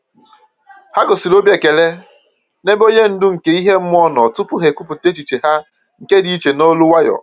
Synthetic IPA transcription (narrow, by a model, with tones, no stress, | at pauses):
ha˦ɡʊ˨si˨lo˦bje˨ke˨le˦ | ne˦bo˦ɲe˦n̩˦dʊ˦ŋ̩˨ke˦i˦ɦe˦m̩˦m˦ɔ˦nɔ˨tʊ˦pʊ˦ɦe˨ku˦pʊ˨te˦t͡ʃi˨t͡ʃe˨ɦa˦ | ŋ̩˨ke˦di˨i˦t͡ʃe˨no˦lʊ˦wa˦jɔ̰˨